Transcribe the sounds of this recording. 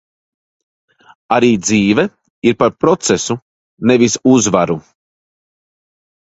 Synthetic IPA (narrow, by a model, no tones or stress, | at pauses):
aɾiːd̪ziːvɛ | iɾpaɾpɾɔt̪sesu | nevisuzvaɾu